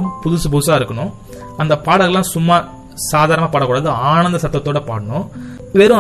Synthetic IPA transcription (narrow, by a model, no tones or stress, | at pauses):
mpʊðʊsɯp̬ʊðsaːɪɾɯkːɐɳʊ̃ | ɐnd̪ɐpaːɽɐɣɐlːãːsʊmːaː | saːðaːɾɐnɐmaːpaːɽɐkːuːɽaːðɯaːnɐnd̪ɐsɐt̪ːɐt̪ːoːɽɐpaːʈɐɳʊ̃ | ʋeːɾʊ̃